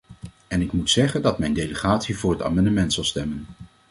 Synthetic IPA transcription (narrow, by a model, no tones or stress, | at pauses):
ɛnɪkmutsɛχəndɑtmɛjndejləχaːtsivʊːɹɦəta̰ːmɑndəmɛntsɑlˠstɛmən